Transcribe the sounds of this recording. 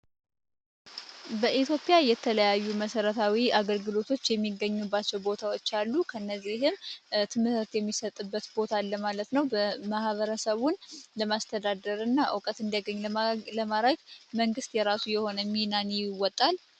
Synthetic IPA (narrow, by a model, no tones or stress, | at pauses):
bəʔit̪ʰjo̞pʼɪjajɛt̪ʰələjajːuməsəɾət̪ʰawiaɡəlɡɨlo̞t̪ʰo̞t͡ʃːjɛmːiɡːəɲːubːat͡ʃːɛwbo̞t̪ʰawot͡ʃːalːukʰəɨnːəzːihɨmt̪ʰɨmɨət̪jɛmːisət̪ʼɨbːət̪bo̞t̪ʰalːəmalət̪nəwbəmahβəɾəsəβunləmast̪ʰəd̪ad̪əɾɨnːaʔɨ̰wkʼət̪ɨnd̪jaɡəɲːləmaəɡməŋɡɨst̪jɛɾasujɛho̞nəminanjɪwɔt̪ʼːal